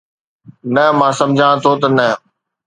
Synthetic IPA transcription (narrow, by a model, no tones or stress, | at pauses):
nɐɦmãːsɐ̃md͡ʑʱãt̪ʰoːt̪ɐnɐɦ